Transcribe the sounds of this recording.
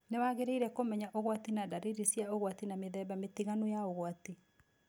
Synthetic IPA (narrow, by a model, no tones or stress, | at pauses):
newaɣeɾeiɾɛkomɛɲaʔoɣwatinadaɾeɾesijaoɣwatinameðɛːbametiɣanujaoɣwat̪i